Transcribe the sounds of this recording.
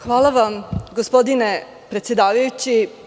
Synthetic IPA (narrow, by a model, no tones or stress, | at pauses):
xʋaːlˠaʋamɡospod̪ine | pɾet̪sjed̪aːʋajut͡ɕi